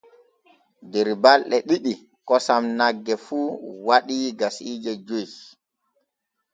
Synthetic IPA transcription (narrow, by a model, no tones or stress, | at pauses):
dɛɾbalɗɛɗiɗi | kɔsamnaɡːɛfuːwaɗiɡasiːd͡ʒɛd͡ʒoj